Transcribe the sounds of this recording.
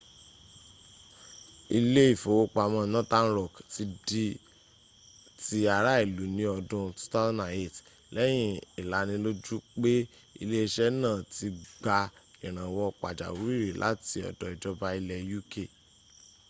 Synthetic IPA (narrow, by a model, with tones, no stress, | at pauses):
i˧le˦i˦˨fo˨wo˦k͡pa˨mɔ̃˧˨nɔ̃˦tã˦n̩˦ɾɔ˦˨kti˧di˦ | ti˦a˧ɾa˦i˦˨lu˨˦nĩ˦ɔ˧dũ˧tu̥˦ta˦na˨e˦˨t | lɛ˦j̃ĩ˦i˨la˨˦nĩ˧lo˦d͡ʒu˦k͡pe˦ | i˧le˦i˧ʃɛ˦nãː˦˨ti˧ɡ͡ba˧i˨ɾ̃ã˨wɔ˧k͡pa̰˨d͡ʒa̰˨wu˦i˦˨ɾi˨lʔa̰˨˦ti˧˦ɔ̰˨dɔ˨i˨d͡ʒɔ˧ba˧i˧lɛ˧ju˦ke˦˨